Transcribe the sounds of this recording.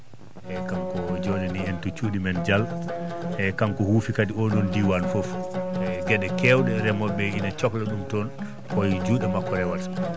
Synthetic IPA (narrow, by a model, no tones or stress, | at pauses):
ʔɛkamkɔd͡ʒɔnɛniɛntut͡ʃuːɗimɛnd͡ʒal | ɛkamkɔhufikadiɔnɔndiwanfofɛɡɛɗɛkɛwɗɛɾɛmɔbɛinat͡ʃɔklaɗumtɔn | kɔjd͡ʒuːɗɛmakːɔɾɛwas